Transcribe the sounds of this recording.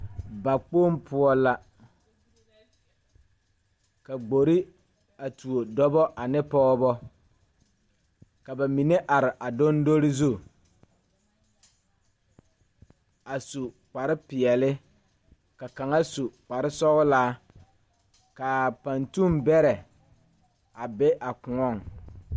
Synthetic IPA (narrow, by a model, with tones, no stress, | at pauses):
ba˨k͡poː˦mpʊ˨ɔ˨la˨ | ka˨ɡ͡bo˨ɾi˦ | a˨tu˨o˨dɔ˦bɔ˦ʔa˨nɪ˦pɔː˦bɔ˦ | ka˨ba˨mi˨ne˦ʔa˨ɾɪ˨ʔa˨do˦ndo˦ɾɪ˦zu˦˨ | a˨su˨ | k͡pa˨ɾɪ˦pɪ˨ɛ˨lɪ˦ | ka˨ka˨ŋa˦su˨k͡pa˨ɾɪ˦sɔ˦ɣʊ˦laː˦ | ka˨pa˨ntu˦mbɛ˦ɾɛ˨ | a˨be˦ʔa˨kʊ˨ɔ˦˨ŋ